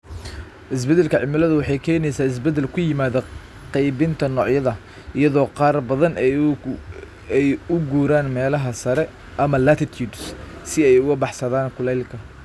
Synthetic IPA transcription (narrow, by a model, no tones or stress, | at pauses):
ʔɪs̬bɛd̪ɛlkʰɐʕɪmɪlɐðʊwɑħɑjkʰɛːnɛjsaːɪs̬bɛd̪ɛlkʰʊjɪmaːðɐ | qɛjβɪnt̪ʰɐnɔːʕjɐðɐ | ɪjɐðɔːqɑːrbɐðɐn | ɛjʊɡuːɾaːnmɛːlɐɦɐsɐɾɛ | ʔɐmɐlat̪ʰɪt̪ʰjuːd̪ssɪɛjʊɣɐbɑħsɐðaːnkʰʊlɛjlkʰɐ